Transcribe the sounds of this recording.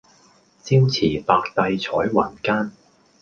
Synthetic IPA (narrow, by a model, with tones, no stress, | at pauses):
t͡siː˥wt͡sʰiː˨˩paː˧k̚t̪ɐ˧jt͡sʰɔː˨˥jwaː˨˩nkaː˥n